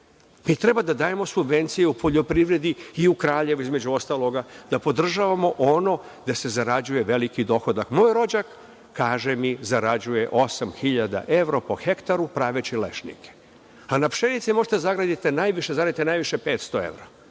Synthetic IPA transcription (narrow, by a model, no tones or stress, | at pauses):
mit̪ɾe̞bad̪ad̪aːje̞mo̞subʋe̞nt̪sije̞upʰo̞ʎo̞pɾiʋɾe̞d̪iiukɾaːʎe̞ʋuizme̞d͡ʑuo̞st̪alˠo̞ɡad̪̥apo̞d̪r̩ʒaʋamo̞ʔono̞ | d̪ase̞zaɾad͡ʑuje̞ʋe̞likid̪o̞xod̪akmo̞ːjɾo̞d͡ʑakː | aːʒemizaɾad͡ʑuje̞ʔo̞samxiʎad̪a̰ʔe̞ʋɾopo̞xe̞kt̪aɾupɾaːʋet͡ɕile̞̰ʃnḭkʰe̥ | anapʃe̞nit̪simo̞ʒet̪zaɡɾad̪it̪enaːjʋiʃezaɡɾad̪it̪enaːjʋiʃepe̞ːt̪st̪o̞e̞̰ʋɾa